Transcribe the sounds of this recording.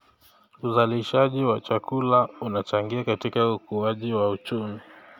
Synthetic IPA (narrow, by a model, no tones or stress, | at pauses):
uzaliʃaʄiwat͡ʃakulaunat͡ʃaŋɡiakatikaukuaʄiwaut͡ʃumi